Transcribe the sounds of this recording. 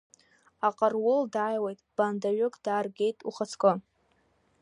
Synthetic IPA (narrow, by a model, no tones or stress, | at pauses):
aqʼarwʊldajwejtʼb̥andaɥʊkʼd̥aːrɡʲejtʼuχat͡sʰkʷʼo